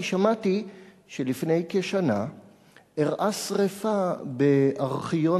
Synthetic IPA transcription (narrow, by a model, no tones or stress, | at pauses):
ʃamati | ʃelifnejkeʃana̰ | eʁʔasʁefabeʔaʁχijo̞